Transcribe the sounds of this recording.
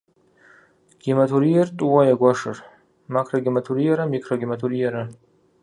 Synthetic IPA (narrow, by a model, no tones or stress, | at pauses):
ɡ̥ʲimatʰuɾijartʼuwajaɡʷaʂɨ̰r | makʰroɡʲimatʰuɾijaɾamikʰroɡʲimatʰuɾijaɾa